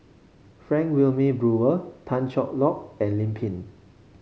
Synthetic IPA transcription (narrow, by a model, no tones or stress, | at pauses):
fɹɛ̃ŋkwilmibɹuətʰãnt͡ʃɔk̚lɔk̚ɛ̃nlĩmpʰĩn